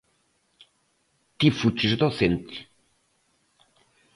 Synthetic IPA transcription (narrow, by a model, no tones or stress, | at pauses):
t̪ifut͡ʃizd̪oθent̪i̥